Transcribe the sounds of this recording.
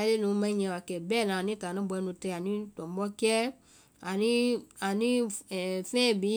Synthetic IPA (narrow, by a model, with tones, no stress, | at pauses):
le˦nũ˧mã˧˦ɲɛ̃˧˨wa˨kɛ˨bɛ˦˨nã˨nĩ˦ta˨nɔ̃˨˦bɛ˧˦nũ˧tɛ˧˨a˨nĩ˦tɔ˨m˦bɔ˦kɛ˦ | a˨ni˦a˨nĩ˦˨fɛ̃˦˨bi˨˦